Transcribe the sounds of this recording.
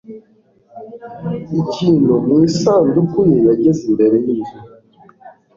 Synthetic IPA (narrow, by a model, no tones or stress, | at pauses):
icʰiːnumwiːsaːndukʰujejaɟezimbe̞ɾeniːzo